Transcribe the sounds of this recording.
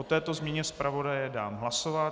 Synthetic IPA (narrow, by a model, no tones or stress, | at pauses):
ot̪ɛːt̪o̞zmɲɛɲɛspɾʔavo̞dajɛdaːmɦlaso̞va